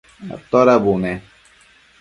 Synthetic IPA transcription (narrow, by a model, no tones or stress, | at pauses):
a̰t̪ɔɾabunɛ